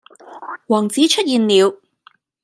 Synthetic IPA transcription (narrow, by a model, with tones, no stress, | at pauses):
wɔː˨˩ŋt͡siː˨˥t͡ʃʰɵ˥t̚jiː˨˧nliː˨˧w